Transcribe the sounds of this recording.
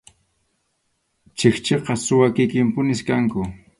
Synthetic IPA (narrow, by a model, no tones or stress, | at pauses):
t͡ʃext͡ʃeqɑsʊwakɪkɪmpʊnɪskaŋkʊ